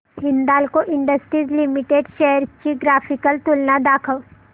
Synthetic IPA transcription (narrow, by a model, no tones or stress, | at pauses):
ɦɪnd̪aːlkoʔɪ̃ɳɖəsʈɾiːzlimɪʈeːɖʃɛɦəɾt͡ʃiɡɾaːpʰɪkəlt̪ʊlnad̪aːkʰəʋ